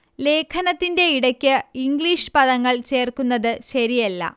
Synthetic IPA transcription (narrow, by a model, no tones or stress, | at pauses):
le̞ːkʰɐnɐt̪ːinde̞iɽɐkʲːɨiŋɡɭiʂɨ̥pɐðɐŋːɐɭt͡ɕe̞ːrkunːɐðɨɕɐɾijɐlːɐ̰